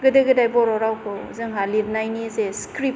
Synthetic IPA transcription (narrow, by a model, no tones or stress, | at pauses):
ɡɯdɯɡɯdajbɔɾɔɾawkʰɯzɯŋɦaliɾnajnizeskɾip̚